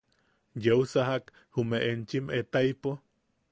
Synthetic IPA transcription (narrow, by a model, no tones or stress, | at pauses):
jeusaɦak | humeʔent͡ʃimet̪aipo